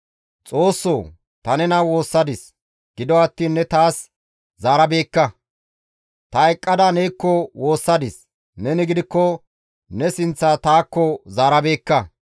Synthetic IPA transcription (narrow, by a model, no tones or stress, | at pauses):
t͡sʼo̞ːsːoː | t̪ɐnɛnɐwo̞ːsːɐd̪ɪs | ɡ̥ɪd̪ɔɐt̪ːiːnːɛt̪aːs | zaːɾɐbe̞ːkːɐ | t̪ɐɛkʼːɐd̪anɛjkːɔwo̞ːsːɐd̪ɪs | nɛnɪɡɪd̪ɪkːɔ | nɛsɪnt͡sːaːt̪aːkːɔzaːɾɐbe̞ːkːɐ